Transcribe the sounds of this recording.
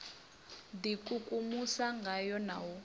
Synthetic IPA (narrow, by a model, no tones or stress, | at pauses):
dikʼukʼumusaŋɡʱajɔnawɔ